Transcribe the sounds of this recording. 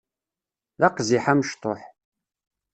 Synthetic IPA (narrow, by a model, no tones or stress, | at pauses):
ðɑqziħaməʃt̪ˤoħ